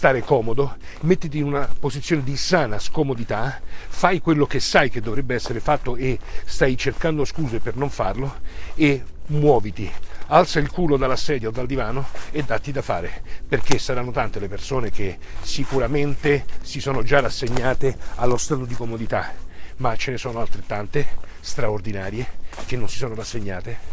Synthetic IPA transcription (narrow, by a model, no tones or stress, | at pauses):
st̪aːɾekɔːmod̪o | met̪ːit̪iːnunapozit̪sːjoːned̪isaːnaskomod̪it̪afajkwelːok̟esajked̪ːovɾɛbːeɛsːeɾefat̪ːoest̪ajt͡ʃerkand̪oskuːzepernoɱfarloemwɔːvit̪ialt̪sailkuːlod̪alːasɛːd̪jaod̪ːald̪ivaːnoed̪ːat̪ːid̪afaːɾeperk̟esːaɾanːot̪ant̪elepersoːnek̟e | sikuɾament̪esisɔːnod͡ʒarasːeɲːaːt̪ealːost̪aːt̪od̪ikomod̪it̪amat͡ʃːenesɔːnoalt̪ɾet̪ːant̪est̪ɾaord̪inaːɾjekenːonsi̥sɔːnorasːeɲːaːt̪e